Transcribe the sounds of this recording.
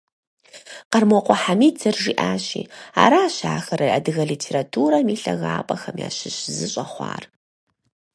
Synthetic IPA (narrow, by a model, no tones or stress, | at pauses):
qɐrmɔqʷɔħamiːd͡zʰɐrʐiːʔaːɕḭːa̰ːɾaːɕaːxɐɾɐʔɐdɨɣɐɮiːtʰeːɾatʰuːɾɐmiːɬɐɣaːpʼɐxɐmja̰ːɕɪɕzɨɕʼɐχʷɑ̰ːr